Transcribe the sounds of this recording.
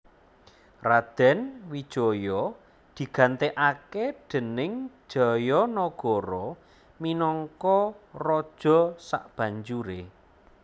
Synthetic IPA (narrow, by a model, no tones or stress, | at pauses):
rad̪̥ɛ̤nwid̥ʒ̥ɔ̤jɔ | d̪̥i̤ɡ̥a̤nt̪eʔakeɖ̪̥ə̤nɪŋ̥ʒ̥ɔ̤jɔnɔɡ̥ɔ̤ɾɔ | minɔŋkɔrɔd̥ʒ̥ɔ̤sa̰ʔb̥ä̤ɲd͡ʒuɾe